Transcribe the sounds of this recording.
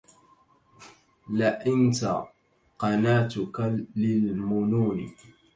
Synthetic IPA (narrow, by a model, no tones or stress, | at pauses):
laʔɪnt̪a | qɑnaːt̪ʊkaːɪlmʊnuːnɪ̰